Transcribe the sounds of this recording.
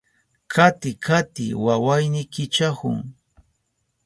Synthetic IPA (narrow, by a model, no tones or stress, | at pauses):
kʰat̪ɪkʰat̪ɪ̰wawajnɪkɪt͡ʃahʊ̰ŋ